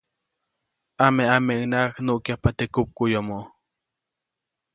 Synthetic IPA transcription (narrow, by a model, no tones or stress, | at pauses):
ameameʔɯnaknuʔkjapat̪ekup̚kujomoʔ